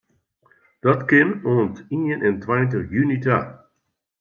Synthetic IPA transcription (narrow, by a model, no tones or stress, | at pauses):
d̥ɑtkɪnoːntiːənʔɛntwajntəχjynita